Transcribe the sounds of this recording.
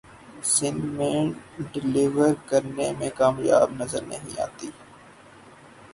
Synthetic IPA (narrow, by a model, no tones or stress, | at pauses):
sɪ̃nmẽːnɖɪlɪʋəɾkəɾnemẽkaːmja̰ːbnəzəɾnə̰ɦḭ̃a̰ːt̪iː